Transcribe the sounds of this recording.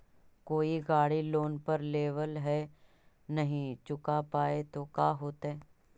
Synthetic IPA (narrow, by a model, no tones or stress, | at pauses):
koːiɡaːɽiloːnpɐɾleːʋəlɦɛ | nɐɦĩt͡ʃʊkapaːet̪okaːɦoːt̪ɦɛː